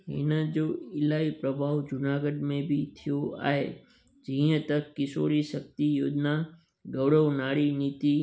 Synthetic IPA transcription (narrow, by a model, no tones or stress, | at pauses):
ɦɪ̰nəd͡ʒoɪlaːipɾəbʱaːʋd͡ʒʊnaːɡəɖmẽbʱit̪ʰijoa̰ːɦḛ | d͡ʒĩə̃t̪əkːɪso̰ːɽiʃək̚t̪ijoːd͡ʒna | ɡəʋɽəʋnaːɽiniːt̪i